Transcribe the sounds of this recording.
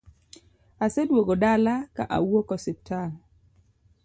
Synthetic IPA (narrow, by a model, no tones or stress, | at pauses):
asedwoɡodalaka̰ʔa̰wokɔsɪp̚tʰal